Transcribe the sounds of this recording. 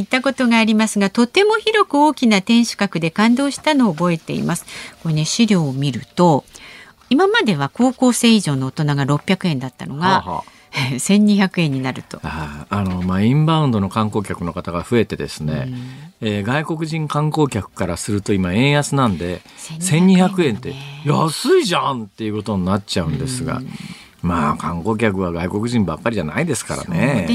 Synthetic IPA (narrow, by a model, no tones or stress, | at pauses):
it̪ːako̞t̪o̞ɡaːɾʲimasɨɡat̪o̞t̪e̞mo̞çiɾo̞kɯ̟o̞ːkʲinat̪ẽ̞ɰ̃ɕɨ̥kakɯ̟d̪e̞kãnd̪o̞ːɕi̥t̪ano̞ːbo̞e̞t̪e̞̰ḭmasɨ̥koneɕiɾʲo̞ːmʲiɾɯ̟t̪o̞ | imamad̪e̞βako̞ːko̞ːse̞ːiʑo̞ːno̞ːt̪o̞naɡaɾo̞pʲjakɯ̟ẽ̞nd̪at̪ːa̰no̞ɡa̰ | esẽ̞ɲ̟ːiçakɯ̟ẽ̞ɲ̟ːinaɾɯ̟t̪o̞aːno̞maːĩmbãɯ̃nd̪o̞no̞kãŋko̞ːkʲakɯ̟no̞kat̪aɡaɸɯ̟e̞t̪e̞d̪e̞̰sɨne̞eːɡaiko̞kɯ̟ʑĩŋkãŋko̞ːkʲakɯ̟̥kaɾasɨɾɯ̟t̪o̞imaẽ̞ɰ̃jat͡sɨnãnd̪e̞sẽ̞ɲ̟ːiçakɯ̟ẽ̞nt̪ːe̞jasɨiʑãnt̪e̞jɯ̟ko̞t̪o̞ɲ̟inat̚t͡ɕaɯ̟̃nd̪e̞sɨɡa̰ | maːkãŋko̞ːk̬ʲakɯ̟β̞aɡaiko̞kɯ̟ʑĩmbakːaɾʲiʑana̰id̪e̞sɨ̥ka̰ɾa̰ne